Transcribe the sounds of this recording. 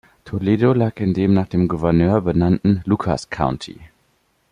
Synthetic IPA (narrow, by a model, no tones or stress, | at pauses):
tʰoleːdolaːkɪndeːmnaːχd̥eːmɡuvɛɐnøːɐbənantn̩lukʰa̰skʰaʊntʰḭ